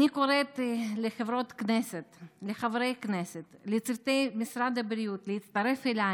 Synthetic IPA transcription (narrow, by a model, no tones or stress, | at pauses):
nikoɾet̪leχevɾo̞t̪kneset̪leχavɾejkneset̪let͡siɾt̪ejmisɾad̪abɾijut̪leit̪t͡st̪aɾe̞fela